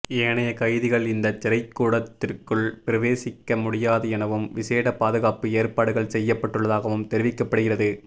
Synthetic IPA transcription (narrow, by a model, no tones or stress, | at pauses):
eːnɐjɐkɐɪðɪɣɐɭɪnd̪ɐt͡ʃːɪɾɐɪkːuːɽɐt̪ːɪrkɯɭpɪɾɐʋeːsɪkːɐmʊɽɪjaːðɐɛnɐʋɯmʋɪseːɽɐpaːðɯɣaːpɯeːrpaːɽɯɣɐɭsɛjːɐpːɐʈːɯɭːɐðaːɣɐʋɯmt̪ɛɾɪʋɪkːɐpːɐɽɯɣɪrɐðɯ